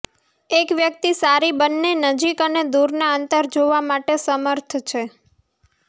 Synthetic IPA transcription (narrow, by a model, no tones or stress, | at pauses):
ekʋjək̚t̪isaɾibənːenəd͡ʒikəned̪uɾnaənt̪əɾd͡ʒoʋamaʈesəməɾt̪ʰt͡ʃʰe